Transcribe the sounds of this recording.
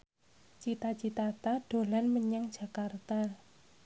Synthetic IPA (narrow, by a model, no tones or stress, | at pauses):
t͡ʃit̪at͡ʃit̪at̪aɖ̥o̤lanməɲaŋd̥ʒ̥a̤kart̪a